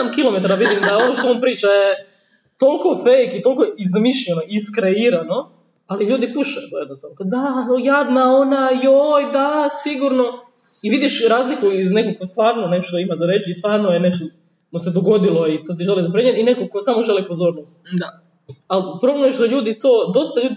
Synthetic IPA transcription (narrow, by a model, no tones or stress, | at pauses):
amkilome̞t̪aɾaʋid̪imd̪aoʋoʃt̪oonpɾiːt͡ʃaje | t̪olˠko̞fejkit̪o̞lko̞izmiʃʎenoʔiskɾeiɾano̞ | aliʎuːd̪ipuʃajut̪ojed̪nost̪aːnokad̪aojad̪naonajojd̪asiɡuɾno̞ | iʋid̪iʃɾaːzlikuizne̞kokost̪ʋaːɾnonekoʃt̪oimazaɾeːt͡ʃist̪ʋaːɾnojeneʃt̪o | mosed̪oɡo̞d̪ilˠo̞it̪oːt̪̬iʒelizap̬ɾeɲeninekokosaːmoʒe̞lipo̞zo̞ːɾnost̪a | alpɾo̞blemujeʃd̪aʎuːd̪it̪oːd̪o̞st̪aʎuːd̪i